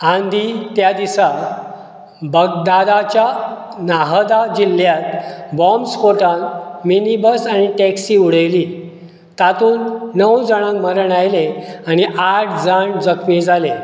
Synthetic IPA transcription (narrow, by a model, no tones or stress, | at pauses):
ãnd̪ʱit̪jad̪isa | bəɡ̚d̪ad̪at͡ɕjanaɦəd̪ad͡ʑiljat̪bɔmskoʈãnminibəsaniʈɛksiuɽ̤əjliː | t̪at̪uːnːəwd͡zəɽ̃ãŋməɾəɳajleañiʔaʈʰd͡zaɳd͡zəkʰmid͡zʱale